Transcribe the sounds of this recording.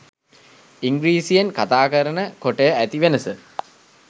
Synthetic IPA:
iŋɡɾiːsijenkat̪aːkəɾənəkoʈejəʔæt̪iʋenəsə

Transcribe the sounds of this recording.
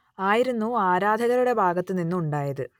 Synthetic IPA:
aːjiɾunːuaːɾaːd̪ʱɐɣɐɾuɽe̞bʱaːɡɐt̪ːɨninːuuɳɖaːjɐðɨ

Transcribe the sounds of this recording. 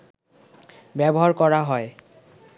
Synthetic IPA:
bɛbɔɦaɹkɔɹaɦɔj

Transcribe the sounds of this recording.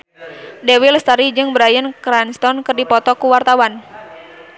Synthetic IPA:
dɛwilst̪aɾid͡ʒɨŋbəɾajənkɾanst̪ɔnkɨrdipɔt̪ɔkuwart̪awan

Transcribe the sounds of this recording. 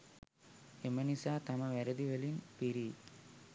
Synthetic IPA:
emənisaːt̪aməʋæɾəd̪iʋelinpiɾiː

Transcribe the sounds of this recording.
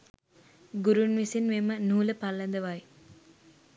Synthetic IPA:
ɡuɾunʋisinʋemənuːləpalːɐnd̪əʋaj

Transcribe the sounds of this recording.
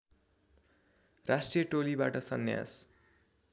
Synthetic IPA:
rasʈrijʌʈolibaʈʌsʌnja̰s

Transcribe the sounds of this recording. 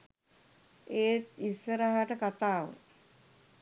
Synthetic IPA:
eːt̪isːəɾaɦaʈəkat̪aːʋə̰

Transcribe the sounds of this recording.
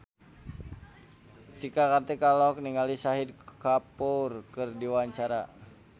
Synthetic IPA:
t͡ʃikakart̪ɛkalɔk̚niŋalisaɦid̚kapurkɨrdiwaɲt͡ʃaɾa

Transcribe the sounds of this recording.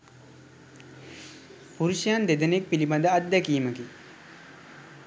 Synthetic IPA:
puɾuɕjaːnd̪ed̪ənek̚pilibad̪əat̪̚d̪ɛkiːməki

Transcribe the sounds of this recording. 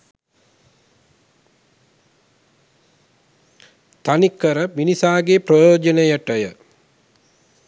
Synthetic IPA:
t̪anikːəɾəminisaːɡeprəjoːd͡ʒənejəʈəjə

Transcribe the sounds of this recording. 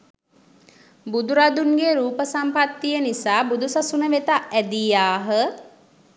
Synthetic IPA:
bud̪uɾad̪unɡeɾuːpəsampat̪ːijənisaːbud̪usasunəʋet̪aʔæd̪ijaːɦə

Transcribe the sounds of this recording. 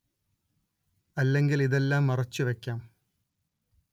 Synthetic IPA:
ɐlːe̞ŋɡiliðe̞lːaːmːɐrɐt͡ɕːɨʋekʲːaːm

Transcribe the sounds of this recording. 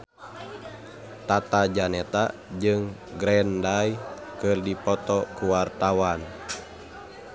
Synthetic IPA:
t̪at̪ad͡ʒanɛt̪ad͡ʒɨŋɡɾɛndajkɨrdipɔt̪ɔkuwart̪awan

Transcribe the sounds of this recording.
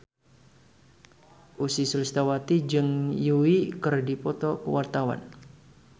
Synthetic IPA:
ʔusisulst̪awat̪id͡ʒɨŋjuwikɨrdipɔt̪ɔkəwart̪awa̰n

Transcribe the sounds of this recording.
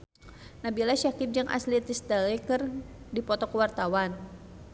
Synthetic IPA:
nabilaʃakip̚d͡ʒaŋʔa̰slit̪ist̪alɛkərdipɔt̪ɔkəwart̪awan

